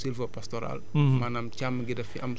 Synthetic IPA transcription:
silfɐpast̪ɔɾa̰lmanamt͡ʃamːɐɡidɐfiʔɐm

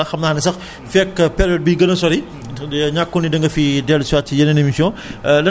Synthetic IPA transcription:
ɐxɐmnaːxnɛsɐx | fɛkːɐpɛɾɔd̚biɡɐnɐsɔɾi | ɲakːɔnidɐŋɡɐfidɛlswatːijɐnɐnɐmisɔlɐ

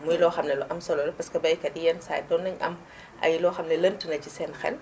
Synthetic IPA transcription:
mujilɔxɐmnɐluʔɐmsɔlɔlɐpɐskɐbɐjkɐdijɛnsa̰ːjdɔnːɐɲʔɐ̰m | ʔɐ̰jilɔːxɐmnɐlɐntinɐcisɛnxɛ̰l

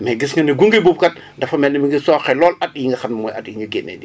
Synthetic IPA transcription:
mɛːɡisŋɡɐniɡuŋɡibup̚kɐt̚ | dɐfɐmɛlnɐmiŋɡisɔːxɛlɔːlɐt̚jiŋɡɐxɐmmɔjʔɐtjiŋɡɐɡenːɛ̰ːdi

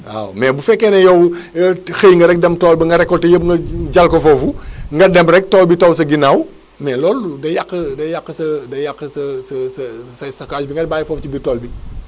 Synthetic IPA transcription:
a̰wmɛːbufɛkːɛnɛjɐw | xejŋɡɐɾɛk̚dɛmtɔːlbɐŋɡɐɾɛkːɔltɛjəb̚ŋɡɐɟalkɔfɔfuŋɡɐdɛmbɾɛk̚tɔːlbitows̬ɐɡinaːw | mɛlɔːludɐjakːədɐjakːəsɐdɐjakːəsɐsɐsɐsɐsɐkaːd͡ʒbiŋɡɐt̚baːjfɔft͡ʃibitɔːlbi

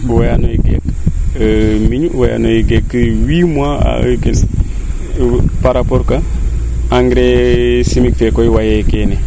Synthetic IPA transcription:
wajanoiɡḛk | miɲwaja̰nojiɡekːiwimwaa̰ken | paɾapoɾka | aŋɡɾesimik̚fekoiwajaikene

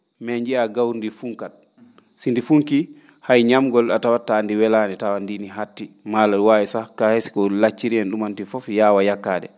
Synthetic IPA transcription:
mɛɲd͡ʒiaɡawɾndifuŋkat̚ | sindifuŋki | hajɲamɡɔlatawatːaːndiwɛlanɛtawandiniɦatːimalawaːɛsakahesi̥kɔlat͡ʃːiɾiɛnɗumantifɔfjawajakːadɛ

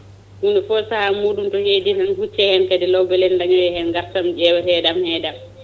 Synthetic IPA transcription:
hundɛfɔsahamuːɗumtɔheːdihɛnhut͡ʃːɛhɛnkadɛlɔbɛlɛndaɲɔjɛhɛnɡaɾtamd͡ʒɛwɛtɛdamhɛːdam

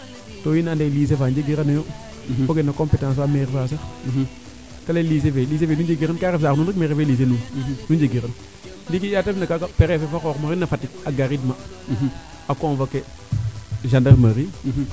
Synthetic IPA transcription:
toːjinandelis̬efand͡ʒeɡiɾanajo | foɡenːakompetãːsfameɾfas̬a | kalelis̬evelis̬evenud͡ʒeɡiɾankaɾefsaːknunɾikmeɾefelis̬enunund͡ʒeɡiɾən | ndikijatebnakakapeɾefefakokmaɾinːafatːik̚aɡaɾidma | akonvake | ʒandaɾmaɾi

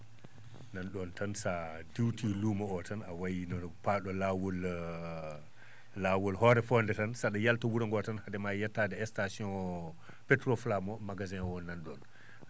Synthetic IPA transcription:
nanɗɔntansa | diwtʰilumaɔtanawajinɔpaɗɔlawɔl | lawɔlhɔɾɛfɔndɛtansaɗajaltɔwuɾaŋɡɔtanhadɛmajatːadɛɛstasiɔn | pɛtɾɔflamɔmaɡazɛnwɔnːanɗɔn

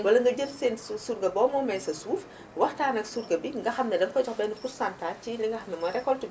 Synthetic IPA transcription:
wɐlɐŋɡɐɟəmseːnsuːɾɡɐbɔːmɔmɛnsɐsuːf | wɐxtaːnɐksuɾɡɐbiŋɡɐxɐmnɐdɛnkɔɟɔxbɛnikuɾsantaːciliŋɡɐxɐmnɛmɔɾɛkːɔlti

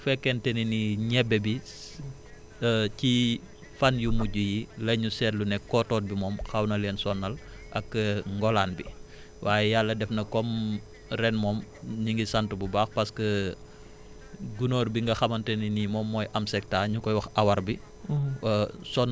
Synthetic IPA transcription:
fɛkːɛntɛniniɲɛbːɛbi | ci | fɐnjumuɟujilɐɲusɛtlunɛkɔtɔːt̚bimɔːmxɐwnɐlɛːnsɔnːɐl | ʔɐ̰kːŋɡɔlaːnbi | waːjɛjalːɐdɛfnɐkɔm | rɛnmɔːmɲiŋɡisɐntububaːxpɐskə | ɡunoːrbiŋɡɐxɐmɐntɛninimɔmːɔːjʔɐmsɛk̚taːɲukɔjwɐxʔɐwɐɾbi | sɔn

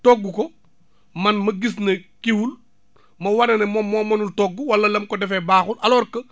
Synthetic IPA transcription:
tɔɡːukɔ | mɐnmɐɡisnɐkiwul | mɐwɐnɐnɐmɔmːɔmːɐnultɔɡːuwɐlːɐlɐmkɔdɛfɛbaːxulʔɐlɔːɾkə

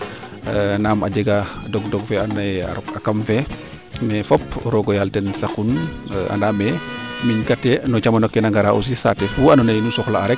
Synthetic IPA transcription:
naːma̰ɟɛɡadɔɡdɔɡfɛanɔnaja̰ɾɔkakamfɛ | mɛfɔpɾɔɡɔjaltɛnsakuna̰ndaːmɛmiɲkatːɛnɔt͡ʃamanɔkːɛnaŋɡaɾaʔṵs̬isa̰tɛfuanɔnajnusɔxlaːɾɛk̚

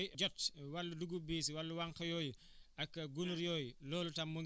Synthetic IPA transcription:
d͡ʒɔtwɐlːuduɡubiːsiwɐlːuwɐŋkɐjɔːju | ɐkːɡunuɾjɔːjlɔːlutɐmːu

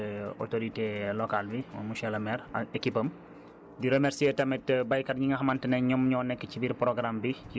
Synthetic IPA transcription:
o̰toɾitelɔkalbiɔmuʃɛlɐmɛɾekipəm | diɾemeɾsietɐmɛtbajkɐɾɲiŋɡɐɦɐmɐntənɛɲɔmɲɔːnɛkːəcibiɾpɾɔɡɾambii

